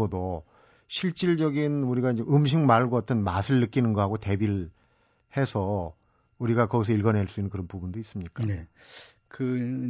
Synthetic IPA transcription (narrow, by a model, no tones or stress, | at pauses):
ʌdo | ɕʰiɭt͡ɕ͈iɭd͡ʑʌɡinuɾiɡaind͡ʑeʔɯmɕ̬ʰiŋmaɭɡoat͈ʰɯnmasʰɯɭːɯk͈inɯnɡʌɦaɡote̞biɭ | he̞sʰʌ | uɾiɡakʌɡisʰʌiɭɡʌneɭs͈uinːɯnkɯɾʌnpubundois͈ɯmɲik͈ane | kɯ